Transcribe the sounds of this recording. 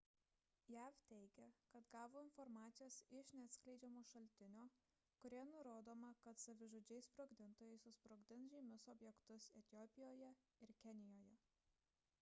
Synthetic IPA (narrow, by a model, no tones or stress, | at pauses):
jæːʋt̪ʲɛɪɡʲɛkɐt̪ɡɑːʋoːɪnfɔɾmɑːt̪sʲɪjoːsɪʃnʲɛɐt̪sʲklʲɛɪd͡ʒʲɛmoːʃɐlʲt̪ʲɪnʲoː | kʊɾʲiɛnʊɾoːd̪oːmɐkɐt̪sɐʋʲɪʒoːd͡ʒʲɛɪsspɾoːɡd̪ʲɪnt̪oːjɛɪsʊspɾoːɡd̪ʲɪnsʒʲɛɪmʲʊsɔːbʲjɛkt̪ʊsɛt̪ʲɪjɔːpʲɪjoːjɛ | ɪɾkʲɛnʲɪjoːjɛ